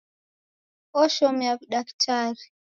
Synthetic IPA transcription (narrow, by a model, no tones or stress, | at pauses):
ɔʃɔmjakɗaktʰaɾi